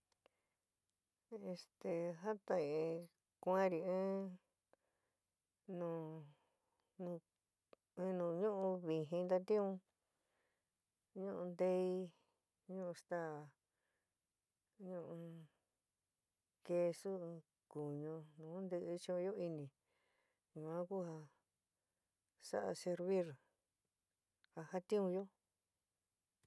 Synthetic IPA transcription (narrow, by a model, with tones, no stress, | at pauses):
e˧st̪e˧ɦa˦t̪ã˧ĩ˧˨ĩ˧ | kʷã˦ɾi˨ɨ̃ː˦ | nũ˨ | nũ˧ | ɨ̃˦˧nũ˨˧ɲũ˦ʔũ˧βi˧ɦĩ˧nd̪a˧t̪ĩ˦ũ˧ | ɲũ˦ʔũ˧nd̪e˦i˧˦ | ɲũ˦ʔũ˧st̪a˦˨ | ɲũ˦˧ʔũ˧ | ke˧˦su˦ɨ̃˧ | ku˨ɲũ˧nũː˨˦nd̪ɨ˧ʔɨ˧t͡ʃĩ˦ũ˧jo˦i˧nĩ˨ | ɲũ˧mã˦ku˦ha˧ | sa̰˦ʔa̰˧se˧ɾβi˦ɾ | ha˧ha˦t̪ĩ˦ũ˧jo˦